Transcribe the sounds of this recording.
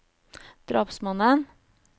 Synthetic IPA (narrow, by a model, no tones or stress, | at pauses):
d̪̥ɾɑːpsmɑnən